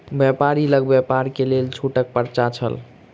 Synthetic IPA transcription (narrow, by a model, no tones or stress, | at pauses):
bjɛpaɾiləɡ̚bjepaɾkelelt͡ʃʰuʈək̚pəɾt͡ʃat͡ʃʰə̰l